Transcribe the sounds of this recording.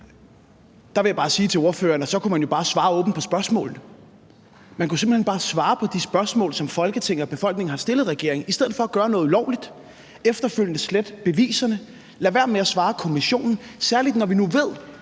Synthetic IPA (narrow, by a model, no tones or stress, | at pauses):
d̥ɑ̈ʋe̝jabɑ̈ːsiːt͡sʰe̝o̝ɐfø̰ːɐnæsɒ̽kʰumænjo̝b̥ɑ̈ːsʋɑ̈ːɔ̽ːb̥n̩pʰɒ̽sb̥ɶɐsmɔ̰ːln̩ə | mænkʰuse̝mb̥l̩henb̥ɑ̈ːsʋɑ̈ːpʰɒ̽d̥isb̥ɶɐsmɔ̰ːlsɒ̽mfɒ̽lɡ̥ət͡sʰeŋ̰̩ɒb̥e̝fɒ̽l̰ɡ̥̚ne̝ŋ̩hɑ̈sd̥e̝ləð̩ˠʁɛɡ̥e̝ɐ̰e̝ŋ̩isd̥eð̞̰̩ˠfɒ̽æɡ̥ɶːɐnɔ̽ːð̩ˠlɒʊlid̥ | efd̥ɐføl̰jənəsled̥b̥e̝ʋḭːsɐnə | læʋæɐ̰meæsʋɑ̈ːkʰo̝miɕo̝̰ːnn̩sæɐlid̥nɒʋinuʋe̝ð̞̰ˠ